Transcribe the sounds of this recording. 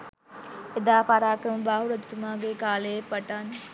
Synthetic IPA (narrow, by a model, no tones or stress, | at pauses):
ɪd̪aːpaːɾaːkɾəmbaːɦuɾəd͡ʒ̪t̪umãːɡekaːleːpəʈan